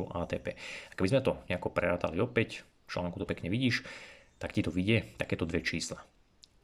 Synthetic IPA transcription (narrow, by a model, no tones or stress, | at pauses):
ṵʔaːt̪ɛːpɛ̰ːḁkɛbizmɛt̪ɔɲɛakɔpɾɛɾaːt̪a̰liɔpɛc | ft͡ʃla̰ːŋkut̪ɔpɛkɲɛʋiɟiːʃt̪akcit̪ɔʋiɟɪɛt̪akɛːt̪ɔd̪ʋɛt͡ʃiːsla